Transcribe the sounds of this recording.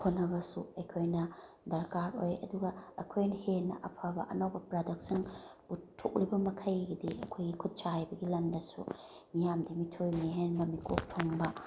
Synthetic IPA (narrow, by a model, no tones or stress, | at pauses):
kʰonːɐbɐsuɐjkʰojnɐ | dɐɾkaɾojɐ̰duɡɐɐkʰojnɐhenɐ̰ʔɐpʰabɐ̰ʔɐnawbɐpɾadɐk̚siŋutʰːok̚ɾibɐmɐkʰɐjɡɐdiɐkʰojɡikʰut̚t͡ʃajbɐɡilɐmdɐsṵ | mijamdimitʰojmiɦenbɐmikʰok̚tʰoŋbɐ